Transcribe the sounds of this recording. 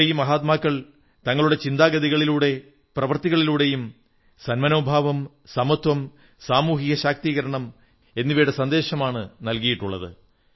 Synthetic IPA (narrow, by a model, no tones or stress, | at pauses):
ejumɐɦaːt̪maːkːɐɭ | t̪ɐŋːɐɭuɽe̞t͡ɕind̪aːɡɐðiɣɐɭiluːɽe̞ | prɐʋɐrt̪iɣɐɭiluːɽe̞jum | sɐnmɐno̞ːbʱaːʋɐm | sɐmɐt̪wɐm | saːmuːɦiɣɐɕaːk̚t̪iːɣɐɾɐɳɐm | e̞nːiʋɐuɽesɐnd̪e̞ːɕɐmaːɳɨnɐlkijiʈːuɭːɐ̰ðɨ̰